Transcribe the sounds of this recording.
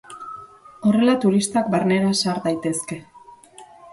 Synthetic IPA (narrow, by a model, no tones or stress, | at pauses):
o̞re̞lat̪uɾist̪akbaɾne̞ɾasaɾd̪ajt̪e̞ske̞